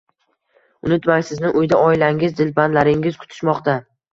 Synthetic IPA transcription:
ʊnɪt̪maŋʲsɪznɪʔʊjd̪aʔɒɪlaŋɪzd̪ɪlband̪laɾɪŋɪz̥kʰʊ̥t̪ʰɪ̥ʃmɒqt̪a

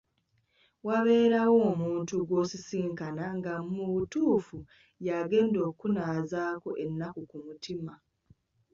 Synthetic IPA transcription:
waβe̞ːɾawo̞ːmuːntuɡwo̞ːsisiːŋkanaŋɡamuβutuːfu | jaːɡe̞ːndo̞ːkunaːzaːkoʔe̞nːakukumutʰima

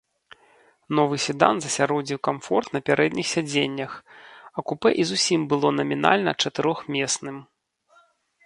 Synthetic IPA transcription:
nɔvɨsʲɨd̪a̰nzɐsʲaɾɔd͡zʲiwkamfɔrt̪nɐpʲaɾɛd̪nʲixsʲad͡zʲenʲːɐxɐkupɛʔizusʲimbɨlˠɔnɐmʲin̪a̰lʲnɐ̰t͡ʂɐt̪ɨɾɔxmʲɛsnɨm

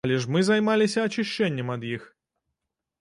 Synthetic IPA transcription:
lʲɪʂmɨzɐjmalʲɪsʲɐɐt͡ɕɪɕːɛnʲːɛmɐd̪jix

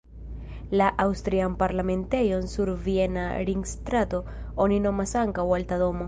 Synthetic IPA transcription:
laʔawst̪ɾianpaɾlame̞nte̞jo̞nsuɾvie̞na̰ɾiŋɡstɾato̞ | o̞nino̞masaŋkawaltado̞mo̞

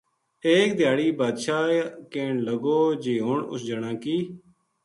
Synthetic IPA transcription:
eːk̚d̪ɪjaːɽiːbaːd̪ʃaːkeːɳləɡoːd͡ʒeːɦʊɳʊ̰sd͡ʒəɽãːkiː

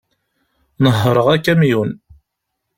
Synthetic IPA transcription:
nəɦːəɾˤəʁækːæmjun

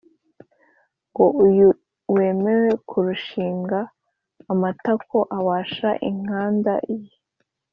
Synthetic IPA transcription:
ŋɡo̞uju | we̞ːme̞ɾe̞kʰuɾuʃiːŋɡaː | matakʰo̞ʔaβaːʃaʔḭŋ̥aːndaʔiji

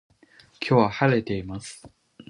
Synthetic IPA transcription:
kʲʰo̞ːβahaɾe̞t̪e̞imasɨ̥

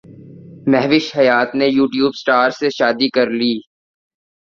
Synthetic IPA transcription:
mɛɦʋɪʃhɐjaːt̪nejuːʈjuːbsʈaːɾseʃaːd̪ikɐɾliː

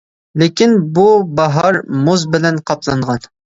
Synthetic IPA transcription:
lekʲinbubɑɦɑɾmozbɪlɛnqʰɑplˠɑɴʁɑn

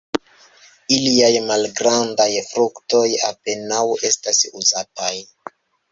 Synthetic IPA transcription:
iliajmalɡɾandajfɾukto̞ja̰pe̞nawe̞stasuzataj

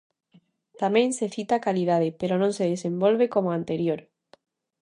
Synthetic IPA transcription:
t̪amẽnseθit̪akaliðað̞epeɾonõnseðesembolβekomoãnt̪eɾjoɾ

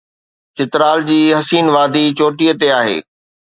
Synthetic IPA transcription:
t͡ɕɪt̪ɾaːld͡ʑiːɦɐsiːnʋaːd̪it͡ɕoːʈijət̪eaːɦḛː

